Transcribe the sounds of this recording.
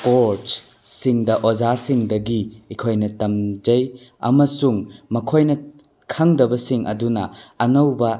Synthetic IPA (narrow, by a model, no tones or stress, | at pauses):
poɾts | siŋdɐʔod͡ʒasiŋdɐɡiːkʰojnɐtɐmd͡ʒɐj | ɐ̰mɐsuŋmɐkʰojnɐ | kʰɐŋdɐbɐsiŋʔɐ̰dunɐːnɐwbɐ